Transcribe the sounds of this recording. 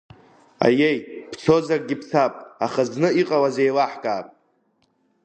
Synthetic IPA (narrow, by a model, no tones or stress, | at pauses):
a̰jejpt͡sʰo̞zarʼɡʲipʰt͡sʰapʼaχaznɨiqʼawaze̞jlaħkʼaːpʼ